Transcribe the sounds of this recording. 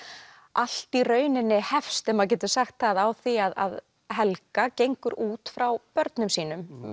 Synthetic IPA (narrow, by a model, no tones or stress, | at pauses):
al̥t̪irœːɥnɪnːɪhɛfst̪ɛmaðc̬ɛːt̪ʏ̥saxt̪θaðawθiaða̰ð | hɛlkacejŋkʏɾuːt̪fɾawpœɾt̪nʏmsiːnʏm